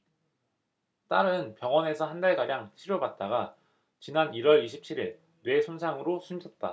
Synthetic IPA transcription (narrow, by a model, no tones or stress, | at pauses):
t͈aɾɯnpjʌŋwʌne̞sʰʌhandaɭɡaɾjaŋt͡ɕʰiɾjobat̚t͈aɡa | t͡ɕinaniɾwʌɾiɕʰi̥p̚t͡ɕʰiɾiɭ | nwe̞sʰonsʰaŋɯɾosʰumd͡ʑʰʌt̚t͈a̰